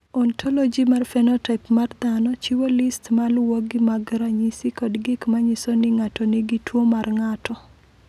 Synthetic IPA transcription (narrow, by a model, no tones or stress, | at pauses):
ɔntʰɔlɔd͡ʒimarfɛnɔtapmard̪anɔt͡ʃiwolɪstmalwoɡimaɡɾaɲisikɔdɡɪkmaɲisonɪŋatɔniɡitwomarŋatɔ